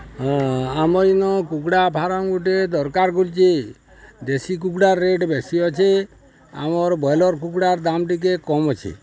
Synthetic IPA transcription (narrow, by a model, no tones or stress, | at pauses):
ɦɔ̃amɔjnɔkukɽapʰaɾɔŋɡuʈed̪ɔɾkaɾkɔɾit͡ʃʰe | d̪esikukɽaɾːeʈbesiɔt͡ʃʰe | a̰mɔɾbʱɔjlɔɾkukɽaɾd̪amʈik̬ekɔmɔt͡ʃʰḛ